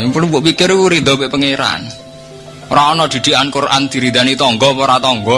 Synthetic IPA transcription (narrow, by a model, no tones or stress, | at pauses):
ŋpulubɔʔpikɪruɾid̪̥ɔ̤beʔpəŋeɾa̰n | oɾaɔnɔd̪̥i̤d̪̥i̤ankʊɾa̰nd̪̥i̤ɾid̪anit̪ɔŋɡɔpoɾat̪ɔŋɡɔ